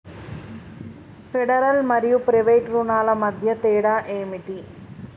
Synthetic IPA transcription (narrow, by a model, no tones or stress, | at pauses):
feɽɐɾɐlmɐɾjupɾeʋejʈrunaːlɐmɐd̪ʱjɐt̪eːɽaʔeːmiʈːi